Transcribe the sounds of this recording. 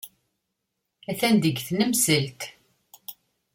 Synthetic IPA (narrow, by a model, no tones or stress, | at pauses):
æθænd̪əɡθnəmsəlt̪